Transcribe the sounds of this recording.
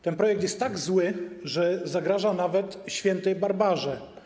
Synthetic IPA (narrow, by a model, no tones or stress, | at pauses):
t̪ɛnpɾɔjɛk̚t̪jɛst̪ːaɡzwɘʐɛzaɡɾaʐanavɛt̪ɕfʲjɛnt̪ɛjbaɾbaʐɛ